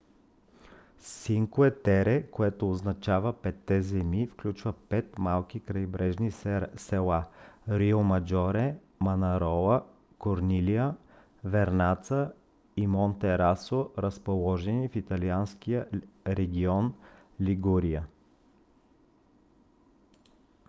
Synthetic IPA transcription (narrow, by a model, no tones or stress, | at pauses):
siŋkuɛt̪ɛɾɛkoɛt̪oːznɐt͡ʃavəpɛt̪ːɛzɛmifklʲut͡ʃvəpɛt̪malˠkikɾɐjbɾɛʒnisɛlˠaɾiomɐd͡ʒɔɾɛ | mɐnɐɾɔlˠə | koɾniliə | vɛɾnat̪sə | imont̪ɛɾasoɾəspolˠɔʒɛnifit̪ɐlianskiəɾɛɡʲiɔn | liɡuɾiə